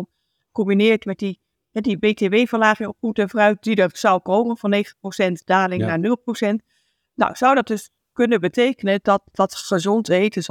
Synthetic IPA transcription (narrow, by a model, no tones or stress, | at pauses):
kɔmbinɪːəɹtmɛt̚di | ɛdibeːteʋeːvəlaːχəokumtənvrœɥt̚d̥idəsɔwkoːmənvɔneːχtprosɛntd̥aːlɪŋnaːɹnɵlˠprosɛnt | nɔ̰wz̥ʌwdɔt̚d̥øs | kønəbətʰeːkənədɔtdɑtstaʒontejtʰəs